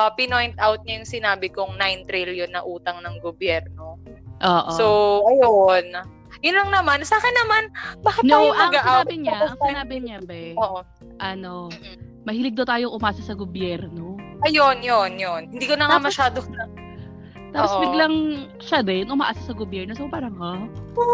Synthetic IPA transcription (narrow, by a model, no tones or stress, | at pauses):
ʔɐpɪnojnt̪̚ʔawt̪̚ɲɐjʊŋsɪnaːbɪkʊŋnajnt̪ɾiljonːɐʔuːt̪ɐŋnɐŋɡobjɛɾno̞ʔoːʔsowʔɐjon | jʊnlɐŋnɐmansaːkɪnːɐmanbɐkanɐʔɐŋɡɐʔabɪɲaʔɐŋsɪnaːbɪɲabɛoʔo | ʔɐno | mɐhiːlɪɡ̚d̪ɐwt̪aːjoŋʔʊmʔaːsɐsɐɡobjɛɾno̞ʔɐjonjonjonhɪnd̪iːkonɐŋamɐʃaːd̪o | t̪aːpposbɪɡlɐŋ | ʃɐd̪ɛnʔʊma̰ːʔaːsɐsɐɡobjɛɾnosopaːɾɐŋo